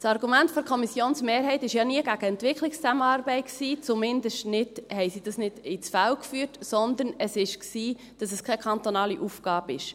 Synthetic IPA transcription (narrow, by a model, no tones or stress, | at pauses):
sɑɾɡumæntfɔɾkʰɔmisjoːnsmeːɾɦɛɪt̪ɪʃjɑːniəɡæɡəɛntʋɪkʰlɪkst͡sæməɑːɾbɛɪtksiːt͡sumɪnd̪əʃtnɪd̥hɛɪsid̥ɑsnɪd̥ɪt͡sfælkfyːtsɔnd̪ənəsɪʃksiː | d̥ɑsɛskʰɛkʰɑnt̪onɑːliʔufɡ̥ɑːbɪʃ